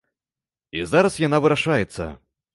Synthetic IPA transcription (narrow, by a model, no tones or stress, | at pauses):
izaɾɐsjanavɨɾaʂajɛt̪sːɐ̰